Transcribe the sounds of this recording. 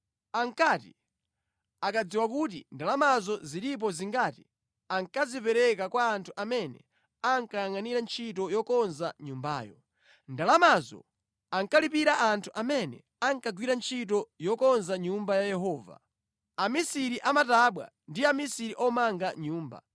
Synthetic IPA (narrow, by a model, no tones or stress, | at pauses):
aŋkati | akad͡ziwakut̬ḭndalamazɔziɾip̬ɔziŋɡati | aŋkazipɛɾɛkakwaːntʰuʔamɛnɛ̰ | aŋkajaŋaniɾant͡ʃʰitɔjɔkɔnzaɲumba̰ːjɔ | ndalamazɔ̰ | aŋkalipiɾaʔantʰuʔamɛnɛ̰ | aŋkaɡwiɾant͡ʃʰit̬ɔjɔkɔnzaɲumbajajɛɦɔːva̰ | amisiɾiʔamataɓwa̰ | ndiamisiɾiʔɔmaŋɡaɲuːmba̰